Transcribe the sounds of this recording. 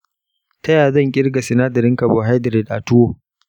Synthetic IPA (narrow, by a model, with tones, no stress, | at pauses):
tɐ˦jaː˨zɐ˦˨ŋkʲʼɪ˦ɽɡa˨sɪ˨naː˦dɐ˨ɾɪ˦ŋkɐ˨boː˨ɦa˦jdɪ˨ɾɛ˨dʔa˨tʊ˦woː˦